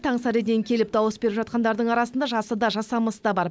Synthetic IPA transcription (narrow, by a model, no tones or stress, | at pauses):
t̪ʰɑɴsɑɾed̪eŋkʲʰe̞lɪp̚d̪ɑwəsbeɾɪpʒɑt̪̚qɑnd̪ɑɾd̪əɴɑɾɑsənd̪ɑʒɑsəd̪ɑʒɑsɑməsəd̪ɑbɑɾ